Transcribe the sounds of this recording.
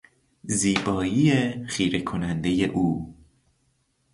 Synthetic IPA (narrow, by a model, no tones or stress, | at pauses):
ziːbɒːjiexiːɾe̞kʰo̞nænd̪e̞je̞ʔuː